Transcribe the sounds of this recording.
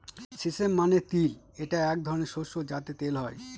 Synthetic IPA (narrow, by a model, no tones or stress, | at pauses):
sisemːanet̪il | eʈaɛk̚d̪ʱɔɾoneɾʃoʃod͡ʑat̪et̪elɦɔe